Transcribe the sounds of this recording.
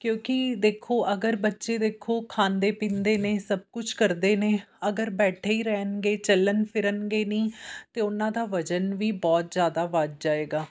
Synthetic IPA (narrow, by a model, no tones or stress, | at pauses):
kjõːkɪd̪eːkʰoːʔəɡəɾbətːʃeːd̪eːkʰːoːkʰãːnd̪eːpĩːnd̪eːneːsəb̚kʊt͡ʃʰkəɾd̪eːneːəɡəɾbɛːʈʰeːiːɾɛːnɡeːt͡ʃələnpʰɪɾənɡeːniːt̪eːʊnãːd̪aːʋəd͡ʒənʋiːbɔːt̪̚zjaːd̪aːʋad͡ʒ̚d͡ʒaːeːɡaː